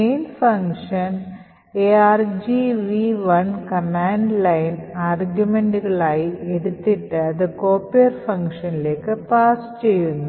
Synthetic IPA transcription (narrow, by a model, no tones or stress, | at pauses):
ejnfɐŋkʂɐn | eaːrd͡ʑiʋiʋɐnkɐmaːɳɖlɐjnaːrɡjume̞ɳɖuɣɐɭaːjie̞ðut̪ːiʈːɨɐðɨko̞ːpːiɐrfɐŋkʂɐnile̞ːkːɨpaːst͡ɕe̞jːunːu